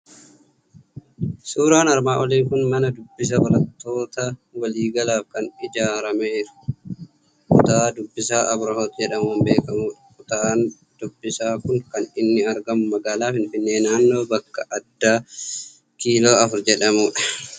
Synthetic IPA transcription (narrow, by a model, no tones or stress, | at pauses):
suːɾaːnɐɾmaːʔɔliːŋkʊnmɐnɐd̪ʊbːɪs̬ɐbɐɾɐt̪ːo̞ːt̪ɐwɐliːɡɐlaːfkɐnɪd͡ʒaːɾɐmeːɾɐ̥ | kʊt̪aːd̪ʊbːɪsaːʔɐbɾɐhoːt̪d͡ʒɛᶑɐmwɐmbe̞ːkɐmuːᶑɐ̥fʊt̪aːn | d̪̥ʊbːɪsaːkʊŋkɐnɪnːɪɐɾɡɐmʊmɐɡaːlaːfɪnfɪnːe̞ːnaːnːo̞ːbɐkːɐʔɐd̪ːaː | kiːlo̞ːɐfʊɾd͡ʒɛᶑɐmuːᶑɐ̥